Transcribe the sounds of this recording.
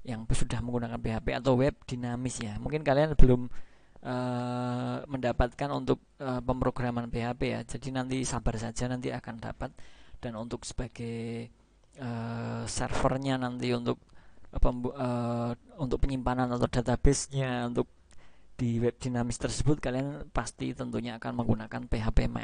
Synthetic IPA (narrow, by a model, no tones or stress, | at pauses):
jaŋsudahməŋɡunakanpeɦapea̰t̪awwɛb̚d̥inamɪsjamuŋkɪnkalianb̥əlʊm | ʔəː | əndapat̪̚kanunt̪ʊk̚əpəmpɾoɡ̥ɾamanpeɦapeja̰d͡ʒadinant̪isabarsad͡ʒanant̪iakanda̰pat̪̚d̥anunt̪ʊk̚sə̥b̥aɡ̥aj | əsɛ̰rfərɲanant̪iunt̪ʊk̚pəəunt̪ʊk̚pəɲimpananat̪ad̥a̤t̪abɛsɲaunt̪ʊk̚ | d̥iwɛp̚d̥inamɪst̪ərsəbʊt̪̚kalianpast̪ḭt̪ənt̪uɲaːkanməŋɡunakanpeɦapema̰